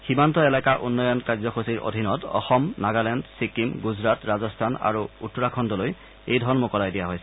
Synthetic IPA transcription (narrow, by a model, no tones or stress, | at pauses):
ximantɔelakaʔunːɔjɔnkaɹzɔxosiɹʔo̰dʱinɔtɔ̰xɔmnaɡalɛndsikimɡuzɹatɹazɔstʰana̰ɹuutːɔɹakʰɔndɔloj | ejdʱɔɹɔnmokɔlajdijaɦojsɛ